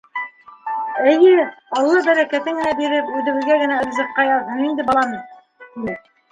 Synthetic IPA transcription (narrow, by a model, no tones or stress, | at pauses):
æjɘɑlˠːɑbæɾækæt̪ɘŋɡɘ̆næbiɾɘpʉðɘ̆wɘ̆ðɡæɡɘ̆næɤ̆ɾzɤ̆qːɑjɑɤnind̪ɘbɑlˠɑmɤ | kinɘ